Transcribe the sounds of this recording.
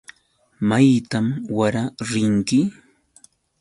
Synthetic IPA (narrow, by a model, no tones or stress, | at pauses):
majt̪amwaɾaɾɪnt̪ɪ